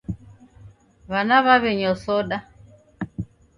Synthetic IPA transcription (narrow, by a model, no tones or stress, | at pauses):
βanaβaβɛɲɔsɔɗa